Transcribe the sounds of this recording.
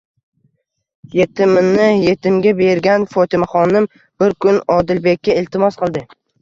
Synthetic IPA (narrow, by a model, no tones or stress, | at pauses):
je̞t̪ʰɪmɪnːɪjet̪ʰɪmɡʲabe̞ɾɡʲanfɒt̪ʰɪmaχɒnɪm | b̥ɪɾkʰʊnɒd̪ɪlbe̞kʲːaɪlt̪ʰɪmɒsqɨlˠd̪ɪ